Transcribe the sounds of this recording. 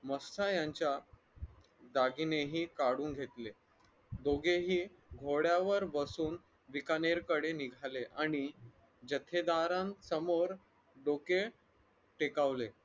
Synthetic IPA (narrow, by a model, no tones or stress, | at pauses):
məst̪ajaɲt͡ɕja | d̪aɡineɦiːkaɽuːnɡʱet̪le | d̪oɡeɦiː | ɡʱoɽjaʋəɾbəsuːn | ʋikaneɾkəɽeniɡʱaleʔaɽ̃i | d͡ʑət̪ʰed̪aɾãnsəmoɾ | ɖoke | ʈekaʋle